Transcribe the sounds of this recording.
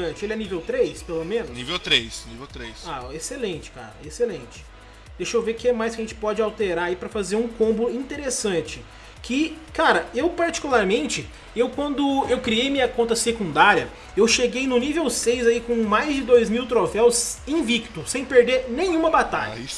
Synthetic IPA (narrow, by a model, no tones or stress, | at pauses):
ɐ̃t͡ʃɪelɪɛnivewt̪ɾejspelomẽnʊsnivewt̪ɾejsnivewt̪ɾejsaeselẽt͡ʃɪ̥ka̰ɾɐ̰eselẽt͡ʃɪ̥ | d̪ejʃowvekɪɛmajskʲɐʒẽnt͡ʃɪ̥pɔd͡ʒɪawt̪eɾaɾaipɾɐfazeɾũkõmbʊĩt̪eɾesɐ̃t͡ʃɪ̥ | kʰɪkaɾɐewpaɾt͡ʃi̥kulaɾmẽnt͡ʃɪ | ewkwɐ̃nd̪ʊewkɾiejmĩɲɐkõnt̪ɐsekũnd̪aɾiɐ | ewʃeɡejnʊnivewsejzaikõmajzd͡ʒɪd̪ojzmiwt̪ɾofɛwzẽj̃vikt̪ʊsẽj̃peɾd̪eɾnẽj̃ũmɐbat̪a̰ʎɐ̰is